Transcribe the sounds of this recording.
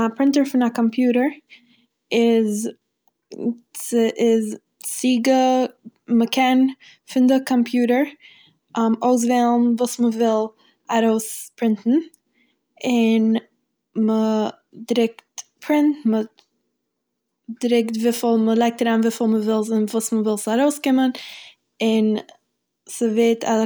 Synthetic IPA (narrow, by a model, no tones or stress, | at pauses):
apɾɪntəɹfɪnakɔmpʰjuːɾəɹ | ɪz | t͡səʔɪz | siːɡə | məkʰɛn | fɪndɪkʰɔmpʰjuːɾəɹ | ʔmoʊs̬velˠn̩vuːsməvɪlˠ | aɾoʊspɾɪntn̩ | ɪn | mə | dɾɪktpʰɾɪntmə | dɾɪktvifɪlˠməlˠaɪk̚taɾaːnvifɪlˠməvɪlˠznvuːsməvɪlˠsaɾoʊskɪmən | ɪn | səveɪtʰa